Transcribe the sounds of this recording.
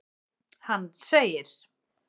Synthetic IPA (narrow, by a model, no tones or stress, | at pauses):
hanːseːjɪɾ̥